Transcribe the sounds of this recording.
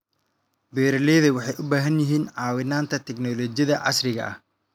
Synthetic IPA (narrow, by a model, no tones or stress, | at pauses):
bɛːɾɐlɛːðɐwɑħɑjʔʊbaːɦɐnjɪɦiːnʕɑːwɪnaːnt̪ʰɐt̪ʰɛɡnɔːlɔt͡ʃjɐðɐʕɑ̰srɪɣɐ̰ʔɐ̰h